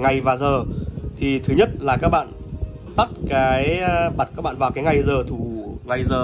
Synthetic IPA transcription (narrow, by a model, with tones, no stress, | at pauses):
ŋa˨˩jvaː˨˩zəː˨˩t̪ʰi˨˩t̪ʰɨ˨˦ɲə˦˥t̚laː˨˩kaː˦˥k̚ɓa̰ː˧˨n | t̪a˦˥t̚kaː˨˦jɓa˨˩t̚ka˦˥ɓa̰ː˧˨nvaː˨˩wkaː˨˦jŋa˨˩jzəː˨˩t̪ʰu˧˩ŋa˨˩jzəː˨˩